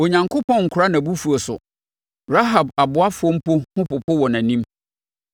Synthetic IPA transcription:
o˨ɲã˨ŋkʰʊ˦pʰɔ̃˦ŋ̩˨kʰʊ˨ɾa˦nã˨bu˦fu˨ɔ˨sʊ̰˨ | ɾa˦ɦa˨ba˨bʊ˨a˦fʊ˦ɔ˦m̩˦po˦hʊ̃˦pʊ˨pʰɔ˦wɔ˨nã˨nĩ˦m

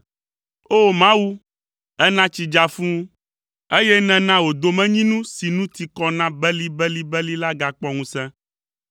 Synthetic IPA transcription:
o˦mã˦wu˦ | ɛ˦nã˦t͡ʃi˨d͡ʒa˨fũ˦ | e˦jɛ˦nɛ̃˨nã˦wo˨d̪o˨mɛ̃˦ɲĩ˦nũ˦si˨nũ˦t̪i˨kɔ˦nã˦bɛ˦li˦bɛ˦li˦bɛ˦li˦la˦ɡa˦k͡pɔ˦ŋũ˦sɛ̃˦

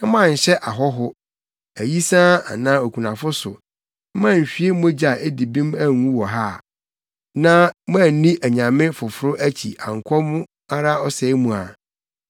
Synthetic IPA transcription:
ɪ̃˦mã˦˨ɕɛ˦ʔa˨ɦɔ˦ɦʊ˦ | æ˨ji˦sãː˦a˨nã˦o˨kʷʰu˨nã˨fʊ˦sʊ˨˦ | mã˦˨m̩˨ɕᶣi˦e˦m˦e˦d͡ʑa˨ʔe˦di˨bĩ˦mæ˦˨ŋũ˦wɔ˨ɦa˦˨ | nã˦m˦ã˦˨n̩˨˦nĩ˦ʔæ˨ɲã˨mɪ̃˦fʊ˨fʊ˦ɾʊ˦ʔæ˦t͡ɕʰi˨ʔa˨ŋ̩˨kʷʰɔ˦mʊ̃˦ | a˦ɾa˦ɔ˦sɛ˨˦mũ˨a˨

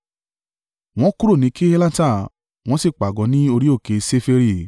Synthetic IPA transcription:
w̃ɔ̃˦ku˦ɾo˦˨nĩ˨˧˦ki˦e˦la˦ta˦˨ | w̃ɔ̃˦si˦˨k͡pa˨ɡɔ˨˦nĩ˦o˧ɾi˦o˦˨ke˧se˦fe˧ɾi˦˨

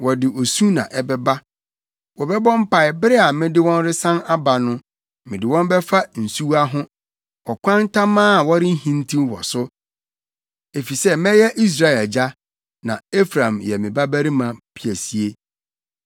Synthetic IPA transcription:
wɔ˨dɪ˨ʔo˨sũ˦nã̰˨ʔɛ˦bɛ˦ba˦ | wɔ˨bɛ˦bɔ̃˦m̩˦pa˨ɪ˨bɪ˦ɾɪ˦a˨mɪ̃˦dɪ˦wɔ̃˦nɾɪ˦sã˦na˦ba˨nʊ̃˦ | mɪ̃˨dɪ˨wɔ̃˦n˦bɛ˦fa˦n̩˨su˦wa˦ɦʊ̃˦ | ɔ˨kʷʰã˦n˦tʰa˦mãː˦˨wɔ˦ɾɪ˦n̩˦hĩ˦n˦tʰĩ˦mwɔ̰˨sʊ˦ | e˨fi˨sɛ˦mɛ̃˦jɛ˦ʔi˦s̬ɾa˦˨ɛ˨d͡ʑa˦ | nã˨e˦fɾã˨mjɛ˨mɪ̃˨ba˦bæ˦ɾi˦mã˨pʰi˦˨æ˨si˨e˦

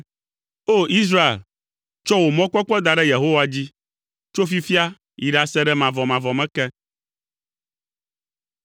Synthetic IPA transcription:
o˦i˦s̬ɾa˦ḛ˨l | t͡ʃɔ˦wo˨mɔ̃˦k͡pɔ˦k͡pɔ˦d̪a˨ɖɛ˦je˨ɦo˦wa˨d͡ʑi˦ | t͡ʃo˦fi˦fi˦a˦ | ji˨ɖa˨sɛ˦ɖɛ˦mã˨vɔ˨mã˨vɔ˨mɛ̃˦kɛ˦

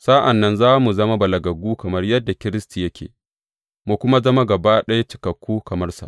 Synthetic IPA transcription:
saː˦ʔa˨nːɐ˦nzaː˦mu˨zɐ˦ma˦bɐ˨lɐ˨ɡɐ˨ɡuː˦kɐ˨mɐ˦rjɐ˦dːa˨kʲɪ˦ɾɪ˦sti˨jɐ˦kʲḛː˨ | mu˨kʷʊ˦ma˦zɐ˦ma˦ɡɐ˨baː˦ɗɐ˦jt͡ʃɪ˨kɐ˨kʷːuː˦kɐ˨mɐ˦rsa̰˨ʔ

